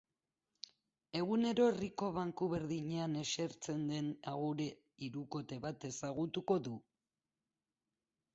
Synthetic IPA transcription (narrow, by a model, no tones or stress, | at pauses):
e̞ɣ̞une̞ɾo̞eriko̞β̞aŋkuβe̞ɾðiɲeane̞ʃeɾt͡se̞nd̪e̞naɣuɾe̞ | iɾuko̞t̪e̞βat̪e̞saɣ̞ut̪uko̞ðu